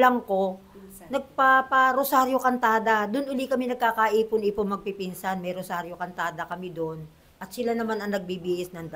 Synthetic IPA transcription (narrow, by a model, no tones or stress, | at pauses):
lɐŋko̞ | nɐɡ̚papɐɾosaɾjokɐnt̪aːd̪ɐd̪ʊnʔʊlikɐmɛnɐɡ̚kaːkaʔiːpʊnɪpomɐɡ̚pipinsɐnmɐjɾosaːɾjokɐnt̪aːd̪ɐkɐmɪd̪on | ʔɐt̪sɪlanɐmanɐŋnɐɡ̚bibiʔɪsnɐŋ